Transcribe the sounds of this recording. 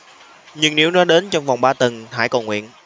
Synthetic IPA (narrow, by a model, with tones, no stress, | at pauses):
ɲɨ˧ŋni˧˦˥wnɔ˨˦ɗe˨˦nt͡ɕɔ˧wŋ͡mvwŋ͡mɓaː˧t̪ə˨˩nha̰ː˧˩jko˨˩ŋwḭ˧˨ən